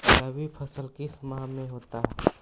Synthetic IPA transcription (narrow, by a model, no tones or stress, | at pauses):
kəbʱipʰəsəlkɪsmaɦmẽɦoːt̪aɦɛ